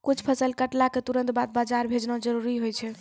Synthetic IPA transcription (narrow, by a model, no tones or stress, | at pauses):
kut͡ʃʰpʰəsəlkəʈlaket̪uɾə̃nt̪bat̪̚bad͡ʒaɾbʱed͡ʒnɔ̃d͡ʒəɾuɾiɦojt͡ʃʰɛ